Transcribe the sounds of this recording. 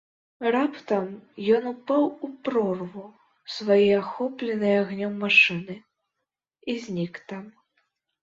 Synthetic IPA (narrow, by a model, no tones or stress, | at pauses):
rapt̪ɐmjɔnupawupɾɔrvu | svajiaxɔplʲɛnɨjaɣnʲɔmːaʂɨnɨ | izʲnʲikt̪am